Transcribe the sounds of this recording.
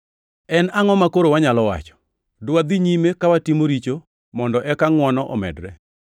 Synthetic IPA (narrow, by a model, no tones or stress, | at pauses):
ɛnaŋɔmakoɾowaɲalɔwa̰t͡ʃɔ̥ | dʊwad̪iɲimekawatimoɾit͡ʃo | mɔndɔʔɛkaŋwɔnɔʔɔmɛ̰dɾɛ